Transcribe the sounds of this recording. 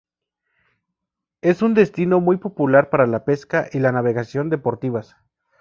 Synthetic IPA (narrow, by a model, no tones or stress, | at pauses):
e̞sund̪e̞st̪ino̞mujpo̞pulaɾpaɾalape̞skaʔilanaβe̞ɣasjo̞nd̪e̞po̞ɾt̪iβas